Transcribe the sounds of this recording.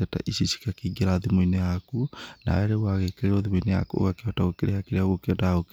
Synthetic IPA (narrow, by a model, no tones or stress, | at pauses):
ɛta̰ʔisisi̥kakiɡeɾaðimoinejakuna̰ɛɾewaɣekeɾeɾɔðimoineja̰kuo̰ɣakeɔtaɣokeɾehakeɾeaɣokeɔdaaɣok